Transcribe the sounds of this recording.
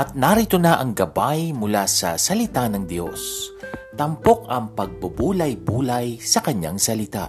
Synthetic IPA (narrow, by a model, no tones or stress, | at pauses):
ʔɐt̪̚naɾit̪onaʔɐŋɡɐbajmʊlasɐ̰sɐlɪt̪anɐŋd̪jo̞̰st̪ɐmpo̞kɐŋpɐɡ̚bɐbuːlɐjbuːlɐjsɐkɐɲa̰ŋsɐlɪt̪a̰